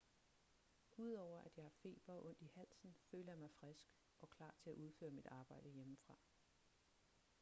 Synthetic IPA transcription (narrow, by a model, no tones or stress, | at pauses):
uð̞̰ˠɒʊ̰ɐʔæd̥jɑ̈ɪhɑ̈fe̝̰ːb̥ɐʔɔ̽n̰d̥ihæl̰sn̩føːləjɑ̈mɑ̈ɪfʁɛsɡ̥ | ʔɒ̽kʰlɑ̰̈ːt͡sʰe̝æʔuðˠfø̰ːɐmid̥ɑ̈ːb̥ɑ̈ɪ̰d̥əjeməfʁɑ̈